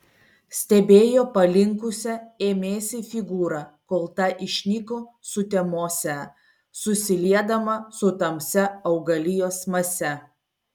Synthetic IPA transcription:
sʲt̪ʲɛbʲeːjoːpɐlʲɪŋkʊsʲɛeːmʲeːsʲɪfʲɪɡuːɾɐkoːlˠt̪ɐʔɪʃʲnʲiːkoːsʊt̪ʲɛmoːsʲɛ | sʊsʲɪlʲiɛd̪ɐmɐsʊt̪ɐmʲsʲɛɐʊɡɐlʲɪjoːsmɐsʲɛ

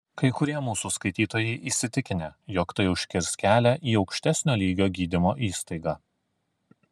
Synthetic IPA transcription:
kɐɪkʊɾʲiɛmuːsuskɐɪt̪ʲiːt̪oːjɛɪʔiːsʲɪt̪ʲɪkʲɪnʲeːˑjoːkt̪ɐɪʊʃʲkʲɪɾskʲæːlʲæʔiːɒʊkʃʲt̪ʲæsʲnʲoːlʲiːɡʲoːɡʲiːd̪ʲɪmoːʔiːst̪ɐɪɡɑ

